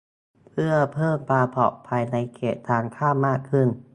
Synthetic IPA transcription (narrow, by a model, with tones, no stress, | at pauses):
pʰɯ˥˩ɐpʰɤː˥˩mpʰaː˧pʰɔ̰˨˩ʔpʰaː˧jna˧jkʰeː˨˩t̪ʰːaː˧ŋkʰaː˥˩mːaː˥˩kʰːɯ˥˩n